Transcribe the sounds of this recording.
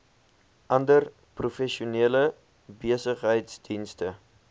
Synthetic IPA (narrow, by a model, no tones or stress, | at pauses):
ʔɐndər | prufɛʃiuniələ | biəsəχɦəjtsdinstə